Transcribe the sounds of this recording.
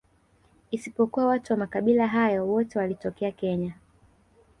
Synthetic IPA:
isipɔkuwawatuwamakaɓilaɦajɔwɔtɛwalitɔkɛakɛɲa

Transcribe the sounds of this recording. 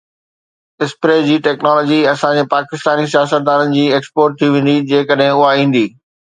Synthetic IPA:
ɪspɾeːd͡ʑiːʈɛːknɔːlɔːd͡ʑiɐsãd͡ʑepaːkɪst̪aːnis̬ijaːsət̪̚d̪aːnənɪ̆d͡ʑiːeːkspoːɾʈ̚t̪ʰiʋẽːn̆d̪id͡ʑẽːkəɗɦɪ̃ʊɦaĩːn̆d̪iː

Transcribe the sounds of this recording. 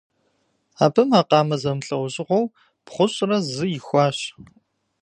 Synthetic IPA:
aːbʰɨmaːqɑːmɐzɐmɬʼɐwɕʼɪʁʷɔw | pχʷʊɕʼrɐzɨjɪxʷɑːɕ

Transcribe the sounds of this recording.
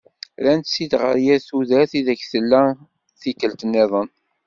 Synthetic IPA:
ɾænt̪sid̪ʁə̰ɾjæθuðæθiðæçθəlːæ | θikːəlt̪ənːɪðˤən

